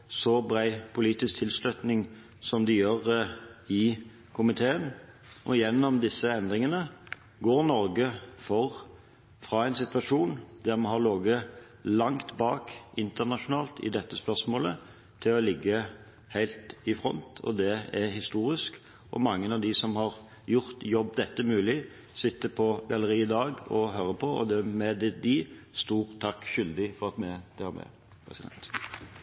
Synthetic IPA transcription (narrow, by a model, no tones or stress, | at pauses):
sɔbɾæɪpʰʊliːt̪ɪsk̚t̪ʰɪlslœt̪nɪŋ | sɔmd̪ɪjøːʁɪ | kʰʊmɪt̪ʰeːən | ʔɔ̰jɛnːɔmd̪ɪsːəɛnd̪ʁɪŋənə | ɡoːɾnɔɾɡəfɔʁ | fʁɑɛɪnsɪt̪ʋɑʂuːnd̪æʁmɑɦɑʁloːɡə | lɑŋt̪bɑːkɪnt̪əʁnɑʂʊnɑːlt̪ɪ̰d̪ɛt̪ːəspœʁsmoːlə | t̪ʰɪlɔlɪɡːə | hæɪlt̪ɪfɾɔ̰nt̪ɔ̰d̪ɛæhɪst̪uːɾɪsk | ʔɔ̰mɑŋːənɑʋd̪ɪsɔmhɑɾ | jʊʁt̪jɔbːd̪ɛt̪ːəmʉːlɪ | sɪt̪ːəpʰɔɡɑləɾiːɪd̪ɑːɡɔɦøːɾəpʰɔɔ̰d̪ɛmɛd̪ɛd̪ɪst̪uːʁt̪ʰɑkːʃʏld̪ɪfɔʁɑt̪mɛd̪ʰɛhøɾmɛ̰ | pʰɾɛ̰sɪd̪ɛ̰nt̪